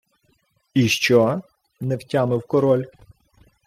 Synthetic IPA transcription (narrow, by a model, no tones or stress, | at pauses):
iʃt͡ʃɔ | nɛwtʲamɪwkɔɾɔlʲ